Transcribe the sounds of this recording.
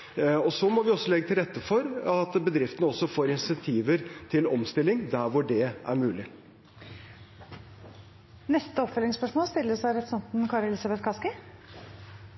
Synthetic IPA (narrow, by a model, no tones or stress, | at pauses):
ɔsɔmɔʋɪɔsːɔlɛɡːət̪ʰɪlɾɛt̪ːəfɔɾɑt̪bəd̪ɾɪft̪ənəɔsːɔfoːɾɪnsɛnt̪ʰiːʋəɾt̪ʰɪlɔmst̪ɪlːɪŋd̪æɾʋʊɖɛʔæ̰ɾmʉːlɪ | nɛst̪əɔpfœlɪŋspœʂmoːlst̪ɪlːəsæɪɾɛt̪sɑnt̪n̩kʰɑːɾɛlɪːsɑbɛt̪kʰɑskɪ